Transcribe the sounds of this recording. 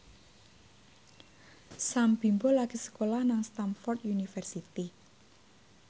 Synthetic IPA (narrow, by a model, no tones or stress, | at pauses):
sambi̤mbolaɡ̥isə̥kolahnaŋst̪anfɔrt̪junifɛrsit̪i